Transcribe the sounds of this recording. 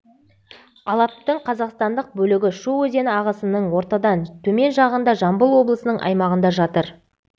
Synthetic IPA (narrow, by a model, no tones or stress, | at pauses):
ɑlˠɑp̚t̪əɴqʰɑzɑqst̪ɑnd̪əq̚bɵlɪɡʲɪʃuwɵze̞nɪɑʁəsənəɴwo̞ɾt̪ɑd̪ɑnt̪ʰɵme̞nʒɑʁənd̪ɑʒɑmbəlˠwo̞blˠəsənəɴʔɑ̰jmɑʁənd̪ɑʒɑt̪əɾ